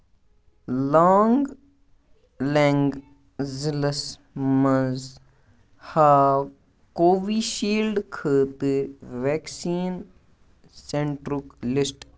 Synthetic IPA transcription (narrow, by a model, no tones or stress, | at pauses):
laːŋɡ | leŋɡ | ziləs | mɐz | haː | koːʋiːʃiːlɖkʰəːt̪ɨʋeːksiːn | sẽɳʈɾuklɪsʈ